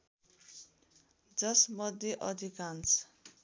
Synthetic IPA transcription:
d͡zʌsmʌd̪ʱjeʔʌd̪ʱikant͡sʰ

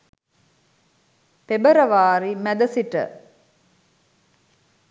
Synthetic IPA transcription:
pebəɾəʋaːɾimæd̪əsiʈə̰

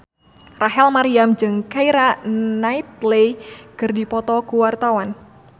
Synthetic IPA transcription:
raɦɛlmaɾiamd͡ʒɨŋkaiɾanait̪̚lekɨrdipɔt̪ɔkuwart̪awan

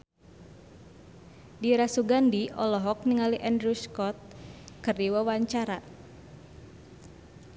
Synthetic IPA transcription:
diɾasuɡandiʔɔlɔɦɔk̚niŋaliʔandɾuskɔt̪̚kɨrdiwawaɲt͡ʃaɾa

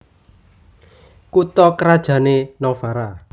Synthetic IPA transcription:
kut̪ɔkəɾad̥ʒ̥ä̤nenɔfaɾa

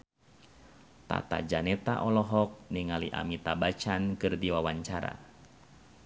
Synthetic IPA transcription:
t̪a̰t̪a̰d͡ʒanɛt̪aʔɔlɔɦɔk̚niŋaliʔa̰mit̪abat͡ʃankɨrdiwawaɲt͡ʃaɾa̰

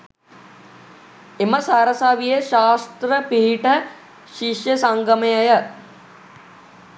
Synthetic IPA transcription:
emɐsɐɾɐsaʋijeʃaːst̪ɾɐpiɦiʈɐ | ʃiʃjɐsɐŋɡɐmɐjɐjɐ

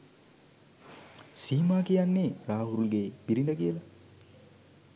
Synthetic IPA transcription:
siːmaːkijanːeraːɦuɾulɡeːb̥iɾind̪əkijəla

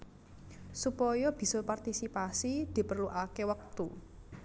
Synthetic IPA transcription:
supɔjɔb̥i̤sɔpart̪isipasid̪̥i̤pərluʔakewək̚t̪u

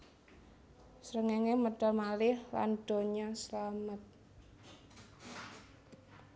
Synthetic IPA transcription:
sɾəŋeŋeməd̥a̤lmalɪhla̰nɖ̥o̤ɲɔslamət̪̚

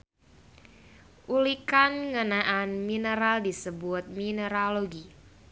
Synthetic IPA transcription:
ʔulikanŋənaʔanminəɾaldisəbʊt̪̚minəɾaloɡi

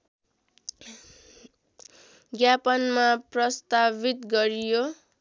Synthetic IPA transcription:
ɡjapʌnmaprʌst̪abit̪ɡʌɾijo

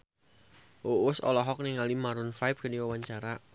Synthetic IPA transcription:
ʔoʊsɔ̰lɔɦɔk̚nɪŋalimaɾʊnfap̚kəniwawaɲt͡ʃaɾa

